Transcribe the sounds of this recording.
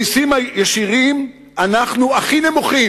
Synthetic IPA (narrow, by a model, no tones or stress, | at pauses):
isimajeʃiʁim | anaχnuaχine̞muχi